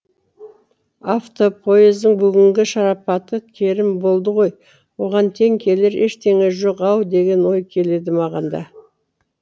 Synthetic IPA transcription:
aft̪o̞pʰo̞jezd̪əŋbʏɡʲɪŋɡʲɪʃɑɾɑpɑt̪əkʲʰe̞ɾɪmbo̞lˠd̪əʁo̞j | wo̞ʁɑnt̪ʰe̞ŋkʲʰe̞leɾe̞ʃt̪ʰe̞ŋe̞ʒo̞qɑwd̪e̞ɡʲe̞nwo̞jkʲʰe̞le̞d̪ɪmɑʁɑnd̪ɑ̰

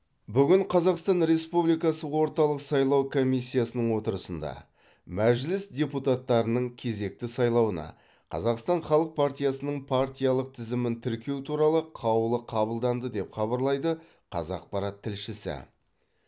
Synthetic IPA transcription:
bʏɡʲɪɴqʰɑzɑqst̪ɑnɾe̞spublijkɑsəwo̞ɾt̪ɑlˠəqsɑjlˠɑwkʰo̞mijsʲːijasənəɴwo̞t̪əɾəsənd̪ɑ̰ | mæʒlɪsd̪ʲeput̪at̪ːɑɾənəɴkʲʰe̞ze̞k̚t̪ɪsɑjlˠɑwənɑ̰ | qʰɑ̰zɑqst̪ɑɴχɑlˠəq̚pʰart̪ʲijasənəɴpʰaɾt̪ʲijɑlˠəq̚t̪ʰɪzɪmɪnt̪ʰɪɾkʲe̞wt̪ʰuɾɑlˠəqʰɑwəlˠəqʰɑbəlˠd̪ɑnd̪əd̪e̞pχɑβɑɾlˠɑjd̪ə | qʰɑ̰zɑ̰q̚pɑɾɑt̪ʰːɪlʃɪsɪ̰

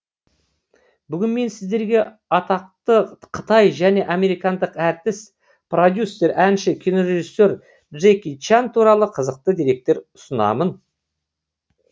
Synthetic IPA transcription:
bʏɡʲɪnme̞nsɪzd̪e̞ɾɡʲe̞ | ɑt̪ɑq̚t̪əqʰə̥t̪ɑjʒæne̞ʔɑme̞ɾijkɑnd̪əqæɾt̪ɪs | pro̞d̪ʲjusːe̞ɾænʃɪkʲʰijno̞ɾe̞ʒisːe̞ɾ | ʒekʲit͡ʃant̪ʰuɾɑlˠəqʰəzəq̚t̪əd̪eɾe̞k̚t̪e̞ɾʊsənɑ̰mən

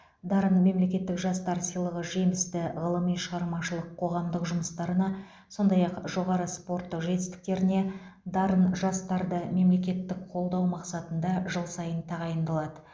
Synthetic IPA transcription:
d̪ɑɾənme̞mle̞kʲe̞t̪ːɪkʒɑst̪ɑɾsijlˠəʁəʒe̞mɪst̪ɪʁəlˠəmijʃəʁɑɾmɑʃəlˠəqʰːo̞ʁɑmd̪əqʒʊməst̪ɑɾənɑ | so̞nd̪ɑjɑqʒo̞ʁɑɾəspo̞ɾt̪ːəqʒe̞t̪ɪst̪ɪ̥k̚t̪e̞ɾɪne̞ | d̪ɑɾənʒɑst̪ɑɾd̪əme̞mle̞kʲe̞t̪ːɪkqʰo̞lˠd̪ɑwmɑqsɑt̪ənd̪ɑʒəlˠsɑjənt̪ʰɑʁɑjənd̪ɑlˠɑd̪ə

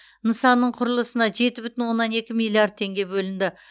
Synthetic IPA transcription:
nəsɑnːəɴqʰʊɾəlˠəsənɑʒe̞t̪ɪbʏt̪ɪnwo̞nːɑne̞kʲɪmilˠijard̪̚t̪ʰe̞ŋɡʲe̞bɵlɪnd̪ɪ

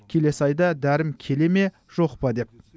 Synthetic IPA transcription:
kʲʰe̞le̞sɑjd̪ɑd̪æɾɪmkʲʰe̞le̞me̞ | ʒ̥o̞qpɑd̪e̞p̚

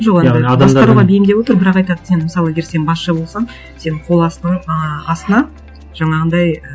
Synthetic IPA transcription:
ʒoqed̪d̪ɑsd̪ɑɾuʁɑbejɪmd̪ewo̞t̪əɾbɪɾɑqɑjt̪ɑd̪ə̥enməsɑlˠəeɡʲeɾse̞nbɑsʃɑbo̞lˠsɑɴ | se̞nɪɴqʰo̞lˠɑ | ɑst̪ənɑ | ʒ̥ɑɴɑʁənd̪ɑj

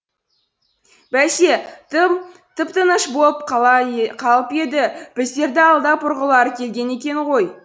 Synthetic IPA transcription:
bæʃe | t̪ʰɪpt̪ənəʃboəp̚qʰɑɑqʰɑlˠəpe̞d̪ɪb̥ɪzd̪e̞ɾd̪ɪɑlˠd̪ɑpʰʊɾʁəlˠɑɾəkʲʰe̞lɡʲe̞ne̞kʲe̞ɴʁo̞j

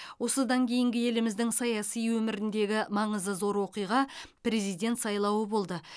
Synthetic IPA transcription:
wo̞səd̪ɑŋkʲʰe̞jɪŋɡʲɪe̞lɪmɪzd̪ɪŋsɑjɑsijwɵmɪɾɪnd̪e̞ɡʲɪmɑɴəzəzo̞ɾwo̞qijʁɑpɾe̞zijd̪ʲe̞nt̪sɑjlˠɑwəbo̞lˠd̪ə

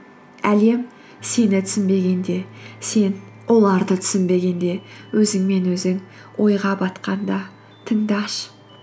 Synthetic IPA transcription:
æle̞m | se̞nɪt̪ʰʏ̥sɪnbe̞ɡʲe̞nd̪e̞se̞n | wo̞lˠɑɾd̪ət̪ʰʏ̥sɪnbe̞ɡʲe̞nd̪e̞wɵzɪŋme̞nwɵzɪŋ | wʔo̞jʁɑbɑt̪qɑnd̪ɑ | t̪ʰəŋd̪ɑʃ

